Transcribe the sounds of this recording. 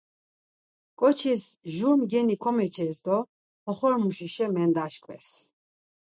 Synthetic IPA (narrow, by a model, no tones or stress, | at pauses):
kʼɔt͡ʃʰisʒuɾmɡɛnikʰɔmɛt͡ʃʰɛsd̪ɔ | ɔχɔɾmuʃiʃɛmɛnd̪aʃkʰʼwɛ̰s